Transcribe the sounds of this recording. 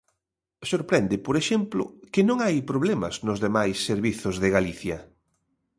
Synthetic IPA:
soɾpɾɛnd̪ɪpoɾeʃɛmplʊ̰kɪnõŋajpɾoβ̞lɛmɐ̰znʊzðemajsːeɾβiθʊzðɪɣaliθjɐ

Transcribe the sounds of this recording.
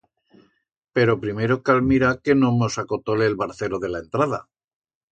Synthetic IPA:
pe̞ɾopɾime̞ɾo̞kalmiɾake̞nomo̞sako̞t̪ole̞ːlβaɾθe̞lo̞ðe̞laent̪ɾað̞a̰

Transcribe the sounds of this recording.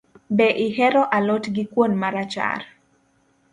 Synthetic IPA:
bɛʔiɦɛɾɔʔalotɡikwonmaɾat͡ʃa̰r

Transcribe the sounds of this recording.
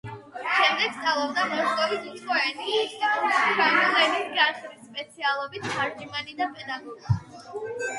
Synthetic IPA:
ʃɛmd̪ɛɡ̥̚st̪ʼalˠɔbd̪amɔʃkʼɔvisut̪sʰχɔɛni | t͡ʃʰanɔlɛnisɡaχɾisːpʼɛt̪sʰialˠɔbit̪ʰχaɾd͡ʒimanid̪apʼɛd̪aɡɔɾi

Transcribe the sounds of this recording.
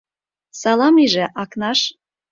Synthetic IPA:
sɑlɑmiʒĕʔɑknɑʃ

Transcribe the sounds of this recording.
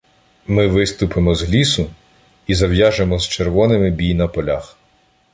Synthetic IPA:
mɪʋɪst̪ʊpʰemɔzɦlʲisʊ | izɐwjaʒemɔzt͡ʃerʋɔnɪmɪbʲijnɐpɔlʲax

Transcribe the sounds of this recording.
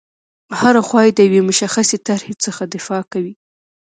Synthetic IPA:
haɾaxwɑjed̪əjawemʊʃaxaset̪aɾhet͡səxad̪ɪfɑkawi

